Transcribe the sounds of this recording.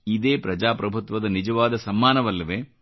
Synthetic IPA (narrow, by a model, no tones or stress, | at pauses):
id̪eːpɾɐd͡ʒaːpɾɐbʱut̪ʋɐd̪ɐnid͡ʒɐʋaːd̪ɐsɐmːaːnɐʋɐlːɐʋeː